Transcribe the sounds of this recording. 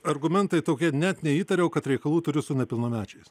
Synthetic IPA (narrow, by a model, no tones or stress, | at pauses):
ɐrɡʊmʲɛnt̪ɐɪt̪oːkʲiɛnʲɛt̪nʲɛiːt̪ɐɾʲɛʊkɐt̪ɾʲɛɪkɐlˠuːt̪ʊɾʲɪsʊnʲɛpʲɪlˠnoːmʲæːt͡ʃʲɛɪs